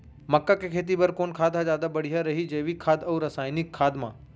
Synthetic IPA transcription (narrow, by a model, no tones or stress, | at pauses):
mɐkːakʰekʰeːt̪̬ibɐɾkoːnkʰaːd̪ʱazjaːd̪abɐɽ̤iɦaɾɐɦid͡ʒɐːʋikʰːaːd̪ɐːɾɐsaːjnɪkʰːaːd̪mã̰ː